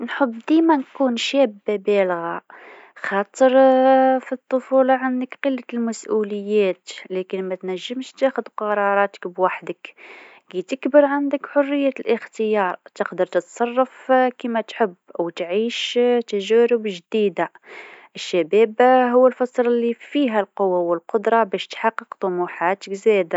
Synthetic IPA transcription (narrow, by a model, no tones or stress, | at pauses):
nħəbːd̪imænkunʃæbːabælɣa | xɑt̪ˤəɾfit̪ˤːofulɑʕand̪əkqəlːalmæsʔuləjːæt̪lækənmæt̪næʒːəmʃt̪æxʊd̪qɑɾˤɑɾˤɑt̪ə̥kbwaħd̪ək | ɡit̪əkbəɾʕand̪əkħʊrːəjːælʔəxt̪əjɑɾˤt̪əqd̪əɾˤt̪ət̪sˤɑrˤːɑfkimæt̪ħəbːwt̪ʕiːʃt̪æʒæɾʊbʒd̪id̪a | ʔəʃːæbæːbɦʊwːəlfɑsˤɾəlːifiɦælqʊwːawəlqʊd̪ɾˤɑbæʃt̪ħɑqːəqt̪ˤʊmuħat̪əkzæd̪a